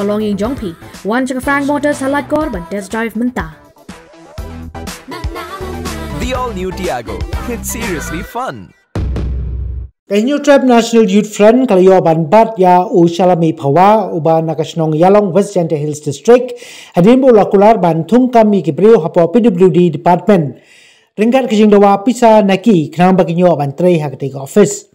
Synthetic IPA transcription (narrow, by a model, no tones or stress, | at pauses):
ɐlɔŋiŋd͡ʒɔŋpʰiwant͡ʃʰɐkɐfɾaŋk̚mɔʈəɾsalat̚kɔɾbantesdajfmɨnt̪a | d̪iɔlnjutiaɡo̰ɪtsiɹiəslifʌ̃n | kahiɲutɾap̚naʃinaljut̚fɾanklajɔbanbat̚jauʃalamipʰawaubanakaʃnɔŋjalɔŋwɛstd͡ʒantəɦilsdɪstɾɪk̚hadinbəulakularbant̪ʰuŋkamikibɾiwɦapɔpidubludidipat̚mɛn | riŋkat̚kəd͡ʒiŋdawapisanakikənambakiɲɔabant̪ɾejɦakətekaɔfɪs